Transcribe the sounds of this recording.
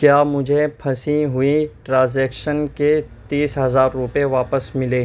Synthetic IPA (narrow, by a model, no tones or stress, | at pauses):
kjaːmʊd͡ʒʱepʰɐsĩɦʊiʈɾãːnzɛːkʃənket̪iːsɦɐzaːɾːʊpeʋaːpəsmɪleː